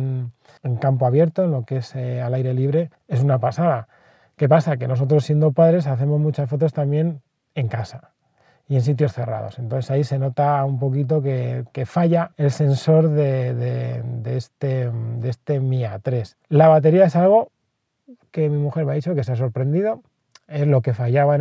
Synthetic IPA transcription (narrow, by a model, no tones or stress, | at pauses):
n | eŋkampoaβje̞ɾt̪o̞enlo̞ke̞sealajɾe̞liβɾe̞ | e̞s̬unapasaða | ke̞pasake̞no̞so̞t̪ɾo̞sːje̞nd̪o̞paðɾe̞saθe̞mo̞zmut͡ʃasfo̞t̪o̞st̪amje̞n | e̞ŋkasa | ie̞nsit̪̬jo̞sθe̞ra̰ðo̞̰se̞nt̪onθesaise̞no̞t̪aumpo̞kit̪̬o̞ke̞ke̞faʝae̞lse̞nso̞ɾðe̞ðed̪eest̪ed̪eest̪e̞miat̪ɾe̞s | laβ̞at̪e̞ɾiae̞salɣ̞o̞ | ke̞mimuxe̞ɾmeait͡ʃo̞ke̞s̬eas̬o̞ɾpɾe̞nd̪ið̞o̞ | e̞zlo̞ke̞faʝaβa